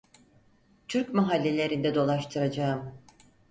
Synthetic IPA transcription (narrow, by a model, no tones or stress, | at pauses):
t̪ʰyɾcmaɦalʲːelʲe̞ɾind̪ɛd̪o̞lˠaʃt̪ʰɯɾad͡ʒaɯm